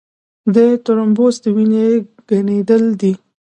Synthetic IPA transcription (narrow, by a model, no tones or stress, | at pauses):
d̪ət̪oɾambosd̪əwineɡ̥aned̪əld̪i